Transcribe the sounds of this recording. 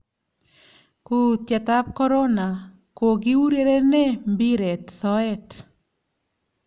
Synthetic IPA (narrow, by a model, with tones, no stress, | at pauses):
ku˨t͡ʃɛ˨t̪a˦p̚kɔ˦ɾɔ˦na˨ | ko˨ɡi˦u˦ɾe˦ɾe˦nɛ˦mbi˦ɾe˨tsɔ˦ɛ˦t